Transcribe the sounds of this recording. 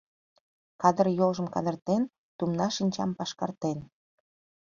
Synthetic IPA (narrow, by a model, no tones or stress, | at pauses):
kɑd̪ərjolʒəmkɑ̰d̪ərt̪en | t̪umnɑʃinʲt͡ɕɑmpɑʃkɑrt̪en